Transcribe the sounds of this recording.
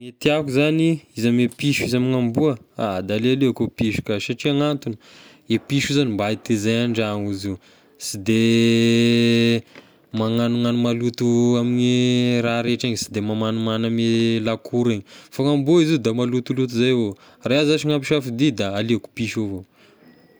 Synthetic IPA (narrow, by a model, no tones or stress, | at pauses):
met̪iakuzaniizamepiʃizamiŋambuəa̰d̪alealeakopiʃu̥kaʃaʈ͡ʂiaŋant̪uni | epiʃuzanimbait̪ezajaɳɖ͡ʐaŋuzi | sid̪e | maŋanuŋanumalut̪uamiɲiɾaɾeʈ͡ʂaɲsi̥d̪emamanumanamelakuɾeɲifaŋambuizid̪amalut̪ulut̪izajvo | raazat͡ʃiŋampiʃafid̪id̪aːleaku̥piʃovo